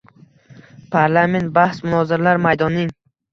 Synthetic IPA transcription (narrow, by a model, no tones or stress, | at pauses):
pʰaɾlˠament̪̚bahsmʊnɒzɪɾalaɾmajd̪ɒnːɪŋ